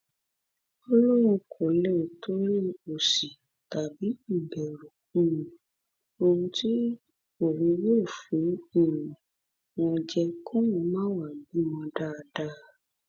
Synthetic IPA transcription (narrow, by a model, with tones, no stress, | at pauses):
ɔ˧lɔ˦ɾ̃ũ˧kʰo˨lɛ˦˨tʰo˦ɾi˦o˨si˨ | ta˨bi˨˦i˦˨bɛ˨ɾu˨kũ˦ũ˨ | o˧ɾũ˧ti˦ | o˦˨ɾũ˨˧jo˦˨fĩ˨˦i˦˨ɾũ˨ | w̃ɔ̃˧d͡ʒɛ˧kʰɔ̃˦wɔ̃˧mãː˦wa˦˨bi˨˦mɔ̃˧da˦˧da˦